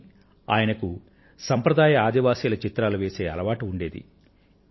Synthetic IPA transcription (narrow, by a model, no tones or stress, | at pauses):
a̰ːjɐnɐku | sɐmpɾɐd̪aːjɐaːd̪iʋaːsiːlɐt͡ʃit̪ɾaːluʋeːse̞ːɐ̰lɐʋaːʈiuɳɖe̞ːd̪ḭ